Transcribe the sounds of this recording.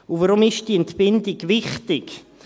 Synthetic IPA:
uvaɾʊmɪʃd̥iːɛntbɪndɪɡvɪχtɪk

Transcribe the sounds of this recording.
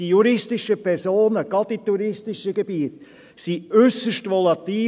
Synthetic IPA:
d̥ijuɾɪstɪʃəpʰɛɾsoːnəɡ̥ɑdit̪ːuɾɪstɪʃəɡebiːət | siʏsəʃtʋɔlɑt̪iː

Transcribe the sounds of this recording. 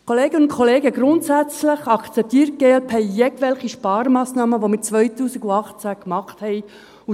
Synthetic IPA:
kʰoleːɡənʊntkʰoleːɡəɡɾʊntsæt͡sləχɑkt͡sɛp̚t̪iːɾt̚ɡ̥eːɛlpʰɛɪːɛɡʋɛlχiʃpɑːɾmɑːsnɑːməʋomɪt͡sʋœjtuːsiɡuɑχt͡sækmɑχt̪hɛj | u

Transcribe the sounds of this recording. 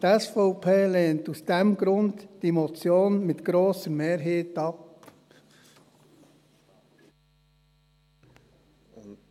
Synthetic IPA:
tɛsfɔʊpʰeːleːntusd̥ɛmɡɾʊndd̥imot͡sjoːnmɪt̪ɡ̥ɾoːsəɾmeːɾɦeːtɑp

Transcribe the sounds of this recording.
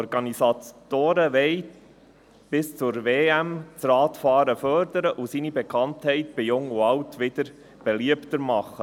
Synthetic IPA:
ɔɾɡɑnisɑtoːɾəʋɛɪj | b̥ɪst͡sʊɾveːæmt͡srɑːtfɑːɾəfœɾdəɾəʔusiːnibɛkʰɑnthɛɪtb̥ɪjʊŋuɑwtʋɪd̥̪əɾ | b̥ɛliəptəɾmɑχːə

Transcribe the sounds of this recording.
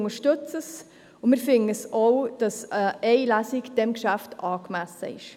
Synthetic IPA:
ŋəʃtʏt͡səs | ʊmɪːɾfɪnəsowd̥ɑsəɛɪlæsɪkd̥ɛmkʃæftɑːkmæsə̰ɪ̰ʃ

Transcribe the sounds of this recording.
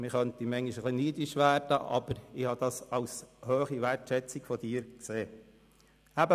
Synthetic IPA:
mɪχœnt̪imɛŋiʃəχliniːdɪʃʋæːrd̥əʔɑ̰b̥əɾɪhɑːd̥̪ɑsɑʊshøːχiʋætʃɛt͡sɪkfɔd̥iːɾkseː | æbə

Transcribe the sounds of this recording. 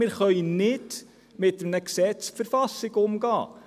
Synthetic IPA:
ɪɾχœʏənnɪd | mɪtəmnəksɛt͡sfəɾfɑsɪɡʊmɡɑ̰ː

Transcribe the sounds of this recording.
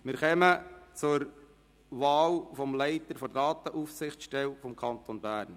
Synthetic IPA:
mɪɾχɛmət͡sʊɾ | ʋɑːlfɔmlɛɪtəɾfɔdɑːtəʔuːfsɪχt͡sʃtɛlfɔmkʰɑnt̪onbæːɾn

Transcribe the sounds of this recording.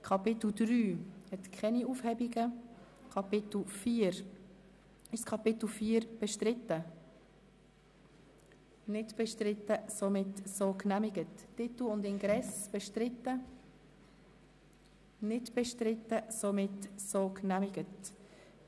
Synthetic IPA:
kʰɑpɪt̪l̩dɾyːhɛt̪kχɛniuːfhɛbiɡə | kʰɑpɪtl̩fiːəɾ | ɪʃskʰɑpɪtl̩fiːəɾb̥ɛʃtɾɪtːə | nɪdb̥ɛʃtrɪtːəsomɪtsoknæmiɡətːɪtl̩ʊndɪnɡɾɛsb̥ɛʃtrɪtːə | nɪdb̥ɛʃtɾɪtːəsomɪtsoknæmɪɡət

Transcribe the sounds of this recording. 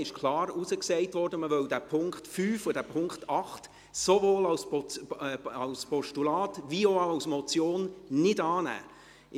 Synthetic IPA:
ɪʃkʰlˠɑːɾusəksɛɪtʋɔrdəməʋœldæpʰʊŋkχtfyːfʊdæpʰʊŋkχtɑχt | sovoːlɑwspɔ | ɑwspɔʃtulɑːtʋioɑwsmɔt͡sjoːnnɪdɑːnæ̰ː

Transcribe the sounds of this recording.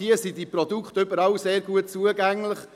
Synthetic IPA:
iəsidiprodukχtøbəɾɑʊseːɾɡuət̚t͡suəɡæŋlɪχ

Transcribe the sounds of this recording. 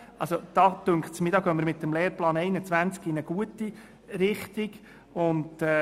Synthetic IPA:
ʔɑ̰lsod̥ɑːt̪øŋkχtsmɪd̪ɑːɡœməɾmɪt̪ːəmleːɾplɑːnɛɪnət͡sʋænt͡skinəɡ̥uəti | ɾɪχt̪iɡ | ʊndɛ

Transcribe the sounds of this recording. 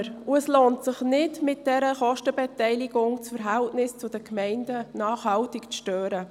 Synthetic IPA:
ɾʊɛsloːntsɪχnɪtmɪt̚d̥ɛɾəχɔʃtəbɛtɛɪlɪɡʊŋt͡sfəɾɦɛltnɪst͡sʊd̥əkʰmɛɪndənɑːχhɑltɪkt͡sʃtøːɾə

